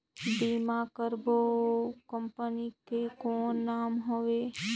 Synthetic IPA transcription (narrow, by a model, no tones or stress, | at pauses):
biːmakəɾbokəmpənikekoːnːaːmɦoʋeː